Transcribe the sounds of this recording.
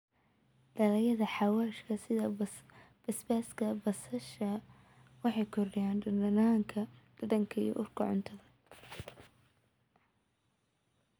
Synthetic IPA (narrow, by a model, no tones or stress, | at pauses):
ɖ̥ɐlɐjɐðɐħɑwaːʃkʰɐsɪðɐ | b̥ɐsbaːskʰɐbɐsɐʃɐ | wɑħɑjkʰɔrɪjaːnɖɐɖɐnaːŋkʰɐɖ̥ɐdɐŋkʰɐḭjɔ̰ʔʊrkʰɐʕʊ̰nt̪ʰɐðɐ